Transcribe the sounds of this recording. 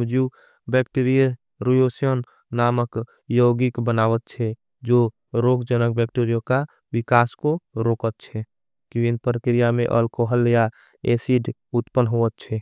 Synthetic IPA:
d͡ʒu | bɛkʈiɾijə | ɾujosijənː | aːmək | joɡikbənaːʋət̪̚t͡ʃʰɛ | d͡ʒo | ɾoɡd͡ʒənək̚bɛkʈiɾijõka | wɪkaːskoɾoːkət̪̚t͡ʃʰɛ | kiwinpɾəkɾijamḛ̃ʔəlkoɦəlja | esiɖut̪pənɦoət̪̚t͡ʃʰɛ

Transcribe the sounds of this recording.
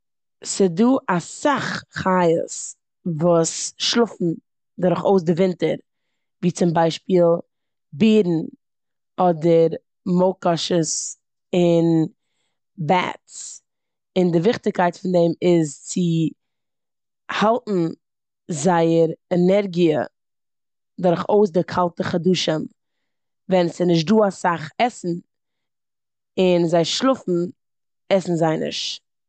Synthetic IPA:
sɪduːʔasaχχaɪə̰s | vuːsʃlˠʊfn̩ | daɾʊχoʊs̬dɪvɪntə̰ɾ | viːt͡sɪmbaɪʃpiːlˠ | biːɾn̩ | ɔdəɾ | moʊkɔʃəs | ɪn | bɛ̰ts | ɪndɪvɪχtɪkaɪtfɪndɛmɪzt͡sɪ | halˠtn̩ | zaɪəɾɛnɛɾɡiə̰ | dʊɾχoʊs̬dɪkʰalˠtəχaduːʃəm | vɛnsɪnɪʃ̬tduːasaχɛsn̩ | ɪnzaɪʃlˠʊfn̩ | ɛsn̩zaɪnɪ̰ʃ

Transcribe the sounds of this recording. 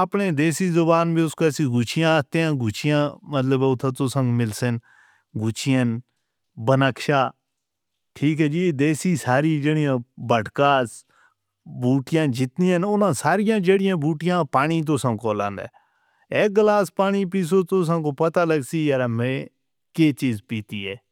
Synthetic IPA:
əpɳeːd̪eːsiːzʊbaːnbiːʊskoɛsĩːɡʊt͡ʃʰɪjãːt̪ejãːɡʊt͡ʃʰɪjãːmət̪ləbʊt̪ʰãːt̪oːsə̃ŋɡmɪlsɪn | ɡʊt͡ʃʰɪjən | bənaːkʃaː | ʈʰiːkɦɛːd͡ʒiːd̪eːsiːsaːɾiːd͡ʒeːɽɪjãːbəʈkãːs | buːʈɪjãːd͡ʒɪt̪niːənʊnãːsaːɾɪjãːd͡ʒeːɽɪjãːbuːʈɪjãːpaːniːt̪̬oːsãːkoːlãːnd̪ḛː | eːɡəlaːspaːɽ̃iːp̬iːs̬oːt̪os̬ãːkoːpət̪aːləɡsiːjaɾaːmẽː | keːt͡ʃiːzpiːt̪iːɛː

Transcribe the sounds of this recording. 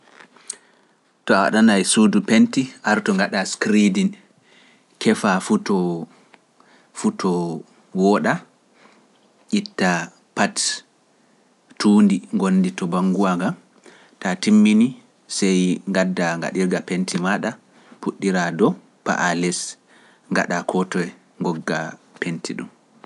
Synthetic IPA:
tɔawa̰ɗanajsudupentiʔaɾtɔŋɡaɗaskɾidin | kʰɛfafutɔ | futʰɔ | wɔɗa | ʔitːa | pat | tuːndiŋɡonːditɔbaŋɡuaɡam | tatimːini | sɛjŋɡadːaŋɡa̰ɗiɾɡapentʰimaɗa | puɗːiɾadɔ | pa̰ʔalɛs | ŋɡa̰ɗakʰɔtɔɛ | ŋɡɔɡːa̰ | pentʰiɗṵm

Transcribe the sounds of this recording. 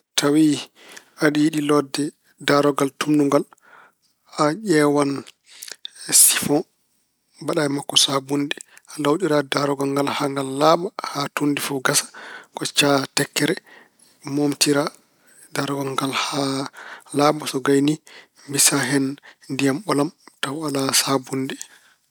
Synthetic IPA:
tʰawi | aɗijiɗilɔdːɛ | daɾɔɡaltumnuŋɡal | aʄɛwan | si̥fɔ̃ | baɗajɛmakːɔsabundialawɗiɾadaɾɔɡaŋɡalhaŋɡalːaɓahatundifuɡasḁkɔt͡ʃatɛkːɛɾɛ | momtiɾa | daɾɔɡaŋɡalha | laɓasɔɡajni | mbisaɦɛnndijamɓɔlamtawalasabundɛ

